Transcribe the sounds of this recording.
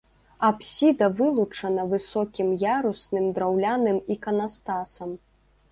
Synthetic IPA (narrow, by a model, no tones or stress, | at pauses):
apsʲid̪ɐvɨlˠut͡ʂɐnɐvɨsɔkʲimjaɾusnɨmd̪ɾawlʲanɨmikɐnast̪asɐm